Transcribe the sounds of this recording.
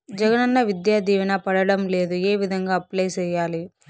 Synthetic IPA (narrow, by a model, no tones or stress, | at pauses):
d͡ʒɐɡɐnɐnːɐʋid̪jaːd̪iːʋinɐpɐɽɐɽɐmle̞ːd̪ueːʋid̪ʱɐŋɡaːɐpleːt͡ʃɛːjːaːli